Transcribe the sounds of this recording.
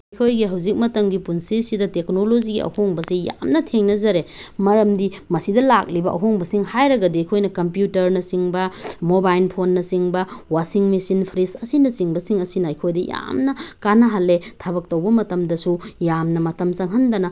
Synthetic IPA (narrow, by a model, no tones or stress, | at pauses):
ɐjkʰojɡiɦɐwzik̚mɐtɐŋɡipunsisidɐtek̚noloziɡiʔɐ̰hoŋbɐsija̰mnɐtʰeŋnɐzɐɾemɐɾɐmdimɐsidɐlak̚libɐʔɐ̰ɦoŋbɐsiŋhajɾɐɡɐdijkʰojnɐkɐmpjutɐɾnɐsiŋbɐmobajlpʰonːɐsiŋbɐwasiŋmisinpʰɾisɐsinɐsiŋbɐsiŋɐsinɐɐjkʰojdɐja̰mnɐkanɐɦalːetʰabɐk̚towbɐmɐtɐmdɐsujamnɐmɐtɐmsɐŋɦɐndɐnɐ